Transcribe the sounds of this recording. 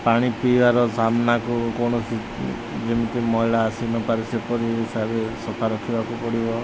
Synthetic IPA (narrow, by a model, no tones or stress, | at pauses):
paɽ̃ipibaɾɔsamnakukɔɽ̃ɔsi | d͡ʒemit̪imɔɦiɭaːsinɔpaɾisepɔɾiɦisabesɔkʰaɾɔkʰibakupɔɽibɔ